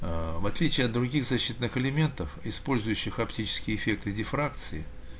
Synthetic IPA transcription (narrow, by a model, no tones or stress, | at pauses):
vɐt̪lʲit͡ɕɪɐt̪̚d̪ɾʊɡʲiɣzɐɕːit̪nːɨxɨlʲɪmʲe̞nt̪əfɪspo̞lʲzʊjʉɕːɪxɐptʲit͡ɕɪ̥skʲɪɪɪfʲe̞k̚t̪ɨdʲɪfɾakt̪sɨɪ